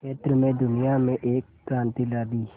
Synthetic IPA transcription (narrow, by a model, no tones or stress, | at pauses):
keːt̪ɾəmẽd̪ʊnijamẽʔeːkːɾãːnt̪ilaːd̪iː